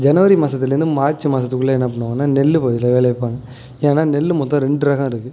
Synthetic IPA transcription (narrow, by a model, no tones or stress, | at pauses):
d͡ʒɐnɐʋɐɾimaːsɐt̪ːɪlɐɾɯnd̪ɯmaːɾt͡ʃɯmaːsɐt̪ːɯkːɯɭːɐɛnːɐpɐɳːɯʋaːŋɡɐnːaːnɛlːɯpoːðɪlːɐʋeːlɐɐpːaːŋɡɐ | enaːnɛlːɯmot̪ːãːɾɛɳɖɯɾɐɣɐ̃mɪɾɯkːɯ